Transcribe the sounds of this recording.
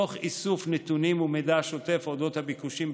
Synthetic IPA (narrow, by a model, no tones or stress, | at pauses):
oχisufnet̪unimumed̪aʃo̞t̪e̞fod̪o̞t̪habikuʃim